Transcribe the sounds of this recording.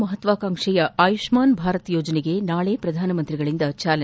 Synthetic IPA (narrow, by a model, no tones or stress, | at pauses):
mɐɦɐt̪ʋaːkaːŋʂɛjɐʔaːjuʂmaːnbʱaːɾɐt̪joːd͡ʒɐneɡe̞naːɭepɾɐd̪ʱaːnɐmɐnt̪ɾiɡɐɭind̪ɐt͡ʃaːlɐ